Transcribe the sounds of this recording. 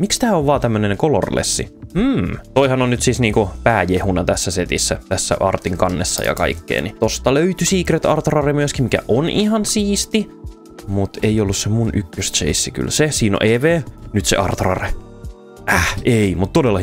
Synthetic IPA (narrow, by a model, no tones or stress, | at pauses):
mikst̪æːoʋʋɑːt̪æmːønenkolo̰rlḛsːim̩ːt̪oihɑnonnyt̪sisniːŋkopæːjehunɑt̪æsːæset̪isːæt̪æsːæ̰ʔɑrt̪iŋkɑnːesːɑ̰jɑ̰kɑ̰ikːḛːnit̪ost̪ɑløyt̪ysiːkret̪ɑrt̪rɑremyøskimmikæ̰ʔonʔihɑnsiːst̪i | mut̪eiolːussemunʔykːøst̪t͡ʃḛisːiky̰lsesiːno̰ʔeʋeːnyt̪sḛʔɑ̰rt̪rɑ̰re | ʔæheimut̪t̪odelːɑ